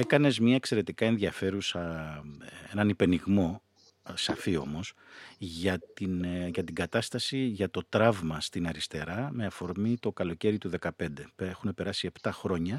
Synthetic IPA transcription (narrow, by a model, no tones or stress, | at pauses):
e̞kɐne̞zmɲɐekse̞ɾe̞t̪ikɐe̞nðiɐfe̞ɾusɐ | e̞nɐnipe̞niɣmo̞ | sɐfio̞̰mo̞s | ʝɐt̪inʝɐt̪iɡɐt̪ɐst̪ɐsiʝɐt̪o̞t̪ɾɐvmɐst̪inɐɾist̪e̞ɾɐme̞ɐfo̞ɾmit̪o̞kɐlo̞ce̞ɾit̪uðe̞kɐpe̞nd̪e̞pexune̞pe̞ɾɐsie̞pt̪ɐxɾo̞ɲɐ